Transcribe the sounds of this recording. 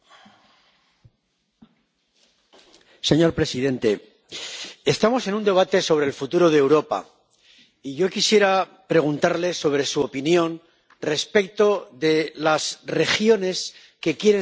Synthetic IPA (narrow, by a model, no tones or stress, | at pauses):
se̞ɲo̞ɾpɾe̞siðe̞nt̪e̞ | est̪amo̞se̞nũnd̪e̞β̞at̪e̞so̞β̞ɾeːlfut̪uɾo̞ðewɾo̞pa̰ | iʝo̞kisje̞ɾapɾe̞ɣ̞unt̪aɾle̞so̞βɾe̞suopinjo̞n | re̞spe̞k̚t̪o̞ðe̞lasre̞xjo̞ne̞s | ke̞kje̞ɾe